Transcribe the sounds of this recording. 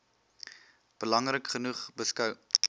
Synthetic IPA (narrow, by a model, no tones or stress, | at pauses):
b̥əlɐŋrəkχənuχbəskœw